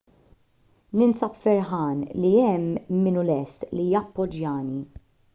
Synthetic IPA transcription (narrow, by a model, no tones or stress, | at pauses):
nɪnsɐpfɛɾħɐːnliɛmːɪnʊlɛst̪lijɐpːɔd͡ʒjɐːni